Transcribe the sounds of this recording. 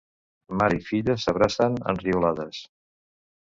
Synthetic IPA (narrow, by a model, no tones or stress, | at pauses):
maɾəifiʎəsəβ̞ɾasənə̰nriulaðəs